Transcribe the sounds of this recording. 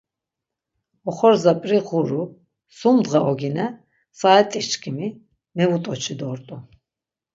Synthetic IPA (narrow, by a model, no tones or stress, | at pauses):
ɔχɔɾzapʼɾiʁuɾu | sumd̪ʁaʔɔɡinɛ | saːɛt̪ʼit͡ʃkʰimi | mɛvut̪ʼɔt͡ʃʰid̪ɔɾt̪ʼɔ